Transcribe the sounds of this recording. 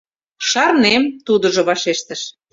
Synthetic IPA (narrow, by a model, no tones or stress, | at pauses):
ʃɑrnemt̪ud̪ŏʒŏβɑʃeʃt̪ə̆ʃ